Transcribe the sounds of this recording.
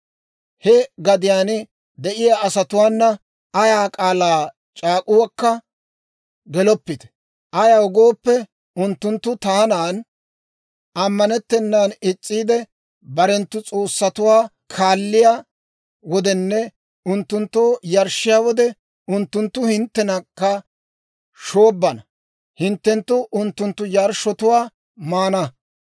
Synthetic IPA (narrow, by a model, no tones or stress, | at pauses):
hɛɡɐd̪ɪjaːn | d̪ɛʔɪjaːʔɐsɐt̪ʊwaːnːɐ | ɐjaːkʼaːlaː | t͡ʃʼaːkʼʊwɐkːɐ | ɡɛlɔpːɪt̪ɛ̥ | ʔɐjaːɔɡo̞ːpːɛ | ʊnt̪ːʊnt̪ːʊt̪aːnaːn | ʔɐmːɐnɛt̪ːɛnːaːnɪt͡sʼːiːd̪ɛ | bɐɾɛnt̪ːʊt͡sʼo̞ːsːɐt̪ʊwaː | kʰaːlːɪjaː | wɔd̪ɛnːɛ | ʊnt̪ːʊnt̪ːoːjɐɾʃɪjaːwɔd̪ɛ | ʊnt̪ːʊnt̪ːʊhɪnt̪ːɛnɐkːɐ | ʃoːbːɐnɐ | hɪnt̪ːɛnt̪ːʊʔʊnt̪ːʊnt̪ːʊjaɾʃɔt̪ʊwaː | maːnɐ